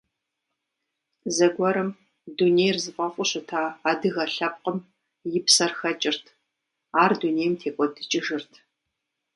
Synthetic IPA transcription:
zɐɡʷɔɾɨm | duneːjrzɨfʼɐfʷʼʊɕʼʊtʰaːaːdɨɣɐɬɐp̚qʼəm | jɪpsɐrxɐt͡ʃʼɪrtʰ | aːrduneːjmtʰeːkʷʼɔdɨt͡ʃʼɪʒɨrtʰ

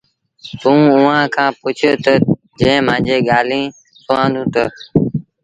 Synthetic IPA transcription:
t̪ũːʊːãːkʰãːpʊt͡ʃʰʊt̪ə | d͡ʒẽːm̤ãːd͡ʒeːɠaːlĩː | sʊãːnd̪ũːt̪ə

